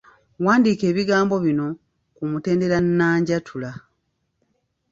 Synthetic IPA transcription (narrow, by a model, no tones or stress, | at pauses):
waːndiːke̞ːβiɡaːmbo̞βino̞ | kumute̞ːnde̞ɾanːaːɲɟatʰula